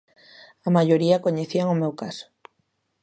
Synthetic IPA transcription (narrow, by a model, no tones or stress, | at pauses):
ɐmaʎoɾiɐkoɲeθiaŋomewkasʊ̥